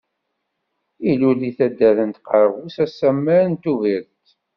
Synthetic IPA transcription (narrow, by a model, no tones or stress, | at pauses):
iluliθæd̪ːæðənt̪qɑɾˤəʁusæsːæmːæɾənt̪uviɾt̪